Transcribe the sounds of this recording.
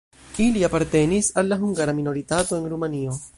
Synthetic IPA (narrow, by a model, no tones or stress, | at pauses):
iliapaɾte̞nisalːaɦuŋɡaɾamino̞ɾitato̞enɾumanio̞